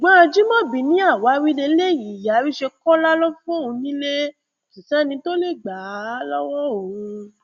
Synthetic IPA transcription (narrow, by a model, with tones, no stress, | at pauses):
ɡ͡ba˦˧d͡ʒi˦mɔ̃˦˨bi˨nĩ˦a˦˨wa˨˦wi˦le˧˦le˦˨ji˨ja˨˦wi˦ʃe˧kɔ˦la˦lɔ˦fɔ̃˦˨ũ˧nĩ˦le˦ | ki˨sã˦nĩ˧to˦le˦˨ɡ͡ba˨˦lɔ˦wɔ˦o˨wũ˧